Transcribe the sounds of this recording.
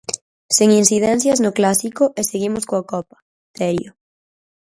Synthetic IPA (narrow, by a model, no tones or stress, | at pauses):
seŋinθiðɛn̟θjɐznʊklasikʊʔeseɣimʊskoakɔpɐ̥ | t̪ɛɾjo